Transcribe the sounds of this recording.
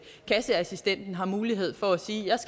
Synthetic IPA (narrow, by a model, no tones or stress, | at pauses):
kʰæsəæsisd̥en̰d̥n̩ɦɑ̈muːliɦe̝ð̞̰ˠfɒ̽æsiːjɑ̈ɪsɡ̥